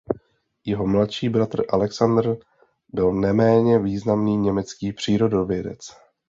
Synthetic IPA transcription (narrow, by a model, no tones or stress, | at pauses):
jɛɦo̞mlat̪ʃiːbɾat̪r̩ʔalɛksand̪r | bɪlnɛmɛːɲɛviːznamniːɲɛmɛt͡skiːpr̝̥iːɾo̞dovjɛdɛ̰t͡s